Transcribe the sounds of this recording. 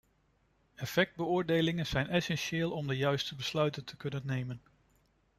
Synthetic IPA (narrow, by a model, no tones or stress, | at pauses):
ɛfɛk̚d̚bəʊːɹdejlɪŋənz̥ɛjnɛsɛnʃɪːlˠɔmdəjœɥstəbəslœɥtəntʰə̥kɵnənːejmən